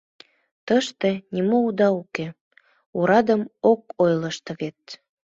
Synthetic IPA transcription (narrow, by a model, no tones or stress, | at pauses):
t̪əʃt̪enʲimoud̪ɑuke | uɾɑd̪əmokojləʃt̪ɤ̆βet̪̚